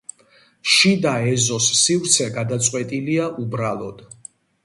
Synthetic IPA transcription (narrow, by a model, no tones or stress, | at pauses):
ʃid̪aɛzɔsːivɾt̪sʰɛɡad̪at̪sʼqʼwɛt̪ʼiliaʔubɾalˠɔd̪̥